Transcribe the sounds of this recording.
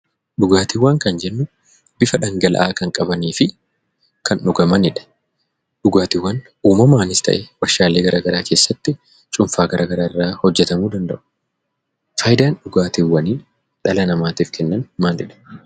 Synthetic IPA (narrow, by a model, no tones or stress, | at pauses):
ɗʊɡaːt̪ɪwːɐŋkɐnd͡ʒɛnːʊ | b̥ɪfɐᶑɐŋɡɐlɐ̰ʔaːkɐŋkʼɐbɐniːfɪ | kʰɐnᶑʊɡɐmɐnɪᶑɐ̥ | ɗʊɡaːt̪ɪwːɐn | uːmɐmaːnɪst̪ɐ̰ʔɛwɐɾʃaːleːɡɐɾʔaːɡɐɾaːke̞ːsːɐt̪ːɪ | t͡ʃʼʊɱfaːɡɐɾʔaːɡɐɾaːɪrːaːhɔd͡ʒːɛt̪ɐmuːd̪ɐnd̪ɐ̰ʔʊ̥ | fɐːjd̪aːnɗʊɡaːt̪iwːɐniː | ᶑɐlɐnɐmaːt̪iːfkʰɛnːɐnmaːlɛᶑɐ̥